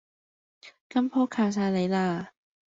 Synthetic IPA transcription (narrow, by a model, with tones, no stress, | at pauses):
kɐ˥mpʰoː˥kʰaː˨˩ws̬aː˧jle˨˧jlaː˧